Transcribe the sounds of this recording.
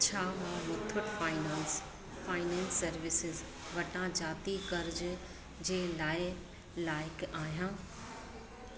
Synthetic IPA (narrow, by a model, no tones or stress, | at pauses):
t͡ɕʰaːʋãʋɪt̪ʰʊʈfaːɪnãːns | faːɪnɛ̃ːnsːɐɾʋɪsɪz | ʋɐʈãːd͡ʑaːt̪ikɐɾd͡ʑ | d͡ʑeːlaːɪ | laːɪkaːɦijãː